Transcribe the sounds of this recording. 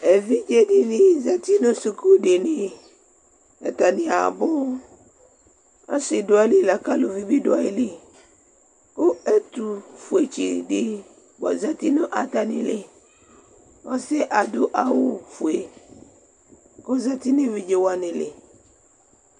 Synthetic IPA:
e˨vi˦d͡ʒe˦di˨nĩ˦za˦t̪i˦nõ˦su˨ku˦ɖe˨ne˨ | a̰˨t̪a˨nĩ˨a̰˨bʊ˦ | a˦sɪ˨do˨˦a˦li˦la˨ka˦lo˨vi˦bi˦dʊ˦a˨ji˦le˦ | ko˦e˦t̪u˨fu˨e˨t͡ʃi˨ɖi˦ | ba̰˨za˦t̪i˦nõ˦ʔa˨t̪a˨nḭ̃˨le˨ | wɔ˦se˦ʔa˨dʊ˦ʔa˨wo˦fu˨e˨ | ko˦za˦t̪i˦nẽ˦vi˦d͡ʒe˦wa˦nẽ˨lḛ˨

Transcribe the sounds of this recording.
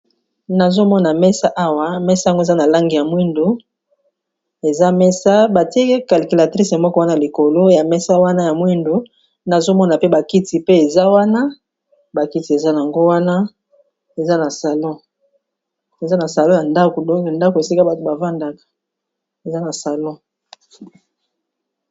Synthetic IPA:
na˨zo˦mɔ˦na˨mɛ˦sa˦ʔa˦wa˦mɛ˦sa˦˨ŋɡza˦na˨la˦ŋɡi˨ja˨mwi˦ndo˨ | e˨za˦mɛ˦sa˦ba˨ti˦e˦ke˦ka˨li˨ki˨la˨tʁi˦se˨mɔ˦kɔ˦wa˦na˦a˨li˨ko˨lo˦ja˨mɛ˦sa˦wa˦na˦ja˨mwi˦ndo˨ | na˨zo˦mɔ˦na˨pe˦ba˨ki˦ti˨pe˦e˨za˦wa˦na˦ | ba˨ki˦ti˨e˨za˦na˨a˨ŋɡo˦wa˦na˦ | e˨za˦na˨sa˨lɔ̃˦ | e˨za˦na˨sa˨lɔ̃˦ja˨nda˦ko˨dɔ̃˦ke˨nda˦ko˨e˨si˦ka˦ba˨to˨ba˨va˦nda˨kḁ˨ | e˨za˦na˨sa˨lɔ̃˦

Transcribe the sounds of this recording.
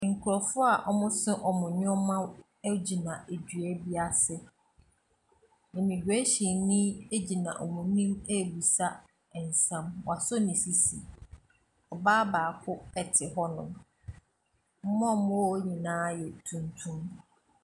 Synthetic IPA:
ŋ̩˨kʰʊ˨ɾɔ˨fʊ˦a˨ʔɔ˦mʊ̃˦sɪ̃˦ʔɔ˨mʊ̃˨ɲʊ̃˦mã˦ | æ˦d͡ʑi˨nã˨e˨d͡ʑɥæ˦bi˦a˨sɪ˦ | ɪ̃˨mĩ˨ɡɥe˦ɕi˨nĩ˦e˦d͡ʑi˨nã̰˨ʔɔ˨mʊ̃˨nĩ˦me˦˨bi˨sa˦ | ɛ˨n̩˨sã˦mwa˨sɔ˦nĩ˨si˦si˨ | ɔ˨baː˦baː˨kʰʊ˦ɛ˨tʰɪ˨ɦɔ˦nʊ̃˨m | m̩˦mɔ̃˦˨m˦ɔ˦ɲĩ˨nãː˨˦jɛ˨tʰũ˨ntʰũ˦m

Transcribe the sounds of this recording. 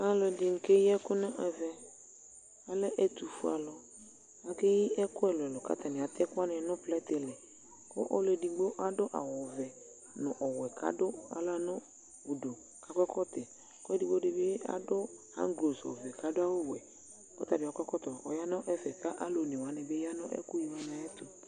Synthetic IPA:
a˦lɔ˨dɪ˨ŋ̩˨ke˦jɛ˦kʊ˦nʊ̃˦ʔɛ˨vɛ˨ | a˨lɛ˦ʔɛ˦t̪u˨fu˦a̰˨lɔ˨ | a˨ke˦ji˦ʔɛ˦kʊ˦ɛ˦˨lʊ˨ɛ˨lɔ˨ka̰˦t̪a˨nɪ̃˨a˨t̪ɛ˦kʊ˦a˦nɪ̃˨nʊ̃˦plɛ˦t̪ɪ˨lɛ˨ | kʊ̰˦ʔɔ˦lɛ˨di˨ɡ͡bo˦ʔa˦dʊ˦ʔa̰˨wɔ˨vɛ˨ | nʊ̃˨ʔɔ˨wɛ˨kʰa̰˦dʊ˦a̰˨la˦nʊ̃˦ | bu˨do˨ | ka˨˦kʷɛ˦kɔ˦t̪ɛ˨ | kʊ˦ɛ˦di˦ɡ͡bo˦dɪ˨bɪ˦a̰˦dʊ˦ | a̰˦ŋ˦ɡlo˨sɔ̰˨vɛ˨ka˦dʊ˦a˦wʊ˦wɛ˨ | kɔ˦t̪a˨dʊ˨a˨kʷɛ˦kɔ˦t̪ɔ˨ɔ˨ja˦nɔ̃˦ʔɛ˦fɛ˨ka˦ʔa˦lo˨nɪ̃˨wa˨nɛ˨be˦ja˦nɔ̃˦ʔɛ̰˦kʊ˦ji˨wa˦na˨ɛ˦t̪u˨

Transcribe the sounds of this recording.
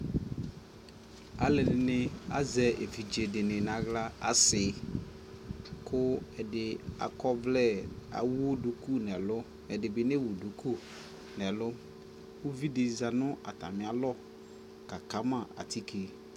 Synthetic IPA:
a˨lɪ˨nɪ˨nɪ̃˨a̰˦zɛ˨e˨vi˨d͡ʒe˨dɪ˨nɪ̃˨nã˨ɣla˦a˦sɪ˨ | kʰʊ˦ɛ˨dɪ˨a̰˨kɔ˦blɛ˦˨a̰˨wu˦du˨ku˦nɛ˨lʊ˦ | ɛ˨dɪ˨bɪ˨nɪ̃˦wu˨du˨ku˦ | nɛ̃˨lʊ˦ | wu˦vi˦dɪ˨za˨nʊ̃˦a̰˨t̪a̰˨mɪ̃˨a˨lɔ˦ | ka˨ka˦mã˨a̰˨t̪i˦kʰe˨

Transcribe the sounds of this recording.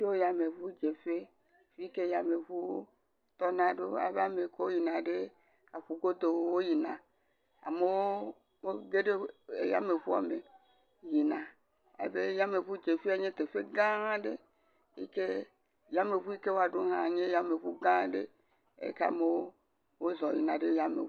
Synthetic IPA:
e˦wo˦ja˨me˨vu˦d͡ʒe˨fe˦ | fi˦ke˦ja˨me˨ɸu˦ | t̪ɔ˦nã˨ɖo˦a̰˨be˦a˨me˨ko˦wo˦ji˨nã˨ɖe˦ | a˨ɸu˦ɡo˦d̪o˨wwo˦ji˨nã˨ | a̰˨me˦wo˦ | me˦ɡe˦ɖe˦e˨ja̰˦me˨ɸu˦a̰˨me˨ | ji˨nã˨ | a̰˨be˦ja˦me˨ɸu˦d͡ʒe˨fi˦a˨ɲe˦t̪e˨fe˦ɡã˦a˦ɖḛ˦ | ḭ˦ke˦ | ja˦me˨ɸu˦i˦ke˦wo˦a˨ɖo˦ɦã˨ɲe˦ja˦me˨ɸu˦ɡã˦ɖḛ˦ | ḛ˨ka̰˨me˦wo˦ | wo˦zɔ˨jḭ˨nã˨ɖe˦ja˦mḛ˨

